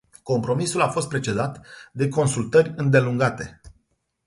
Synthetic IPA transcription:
ko̞mpɾo̞misulafo̞st̪̚pɾe̞t͡ʃe̞d̪at̪d̪e̞ko̞nsult̪ərʲɨnd̪e̞luŋɡat̪e̞

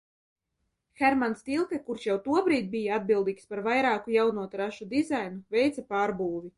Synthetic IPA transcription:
xɛɾmanst̪ilˠkɛkuɾʃjawt̪uɔbɾiːt̪̚bijaad̪̚bilˠd̪iːkspaɾvajɾaːkujawnuɔt̪ɾaʃud̪izajnuvʲɛjt̪sapaːɾbuːvʲi

